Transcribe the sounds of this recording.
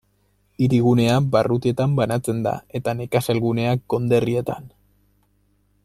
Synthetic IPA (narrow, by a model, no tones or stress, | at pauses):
iɾiɣ̞une̞abarut̪ie̞t̪ambanat͡se̞nd̪a̰e̞t̪anekaselɣune̞aɡo̞nd̪e̞rie̞t̪a̰n